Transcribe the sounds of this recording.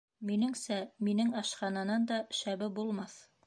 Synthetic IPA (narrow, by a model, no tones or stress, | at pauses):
minɘŋsæminɘŋɑʃqɑnɑnɑnd̪ɑʃæβɘbulˠmɑθ